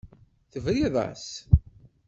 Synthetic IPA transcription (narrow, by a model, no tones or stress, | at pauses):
θəvɾiðˤɑ̰s